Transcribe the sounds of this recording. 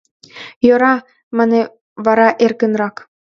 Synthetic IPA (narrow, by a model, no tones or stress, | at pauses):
joɾɑ | mə̆ne | βɑɾɑʔerkə̆nɾɑk